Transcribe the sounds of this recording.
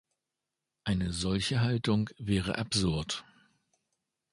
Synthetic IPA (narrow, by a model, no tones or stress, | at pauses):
ʔaɪnəzɔlçəɦaltʊŋvɛːʁ̞ə̰ʔapz̥ʊɐt